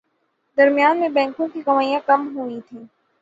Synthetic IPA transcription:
d̪ɐɾmijaːnmẽbɛ̃ːŋkõkikɐmaːijãkɐmɦuit̪ʰĩː

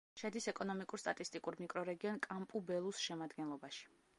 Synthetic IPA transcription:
ʃad̪isɛkʼɔnɔmikʼuɾst̪ʼat̪ʼist̪ʼikʼuɾmikʼɾɔɾɛɡiɔnkʼampʼubɛlˠusʃɛmad̪ɡɛnlˠɔbaʃi̥

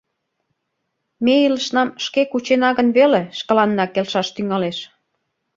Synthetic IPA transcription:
meilə̆ʃnɑmʃkekut͡ɕenɑɣənβeleʃkə̆lɑnːɑkelʃɑʃt̪yŋɑleʃ

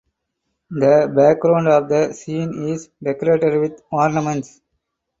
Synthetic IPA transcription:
d̪əbæk̚ɡɾãʊ̃ɳɖɔːʋd̪əsĩːnizɖekɔɾeːʈeɖʋɪd̪ɔːɾnəmə̃ɳʈs

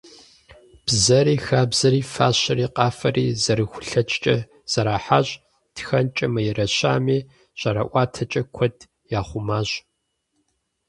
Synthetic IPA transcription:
b̥zɐɾiːxaːbzɐɾiːfaːɕɐriːqɑːfɐriːzɐɾɨxʷʊ̥ɬɐt͡ʃʼt͡ʃʼɐ | z̥ɐɾaːħaːʑ | txɐnt͡ʃʼɐmɐjɛrɐɕa̰ːmiː | ɕʼɐɾɐ̰ʔʷɑːtʰɐt͡ʃʼɐkʷʰɔd | jaːχʷʊmaːɕ

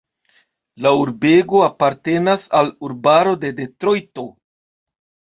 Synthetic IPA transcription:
lauɾbe̞ɡo̞apaɾte̞nasaluɾbaɾo̞de̞de̞tɾo̞jto̞

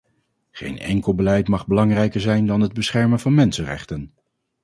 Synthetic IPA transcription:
χḛjnɛ̰ŋkəlˠbəlɛjtmɑχbəlɑŋrɛjkəɹzɛjndɑnɦəd̚bəsχɛɹmənvɑnmɛnsənrɛ̰χtən

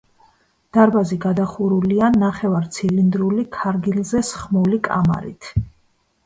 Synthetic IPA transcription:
d̪̥aɾbaziɡad̪aχuɾulianaχɛvaɾt̪sʰilind̪ɾulikʰaɾɡilzɛsχmulikʼa̰ma̰ɾḭt̪ʰ

